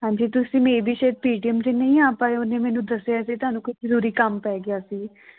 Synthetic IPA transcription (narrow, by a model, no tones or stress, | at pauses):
ɦãːɲd͡ʒiːt̪ʊsĩːmeːibʱiːʃəːəd̪̚piːʈiəmd͡ʒeːnəĩaːpaːeonẽːmɛːnũːd̪əsejaːsiːt̪ʊaːnũːkoizəɾuːɾiːkəmpɛːɡɪaːsiː